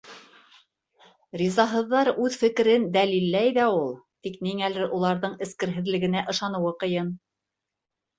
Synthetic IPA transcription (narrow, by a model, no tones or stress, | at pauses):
ɾizɑɦɤ̆ðːɑɾʉðfɘ̆kɘ̆ɾɘnd̪ælilːæjðæulˠt̪ikniŋælɘɾʔulˠɑɾðɤɴɘ̆skɘ̆ɾɦɘ̆ðlɘ̆ɡɘ̆næʔɤ̆ʃɑnɤ̆wɤqɤ̆jɤn